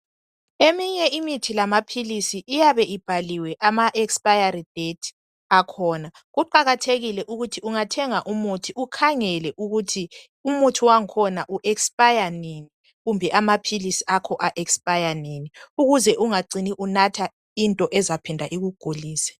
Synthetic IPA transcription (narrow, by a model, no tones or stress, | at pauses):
emiɲɛimitʰilamapʰilisiʔːjaβɛʔib̥ʱaliwɛʔamaʔɛkspʼajarid̥etʰ | akʰɔːna | ɣuǃaɣatʰeɣilɛʔuɣutʰiuŋatʰɛŋaʔumutʰiukʰaŋɛlɛʔuɣutʰi | umutʰiwaŋkʰɔnaʔuʔɛkspʼajanini | ɣumbʱɛʔamapʰilisiʔakʰɔʔaʔɛkspʼajaniniuɣuzɛʔuŋaǀiniʔunatʰa | intʼɔʔɛzapʰɛndʱaʔiɣuɡ̥ʱuliːsɛ̥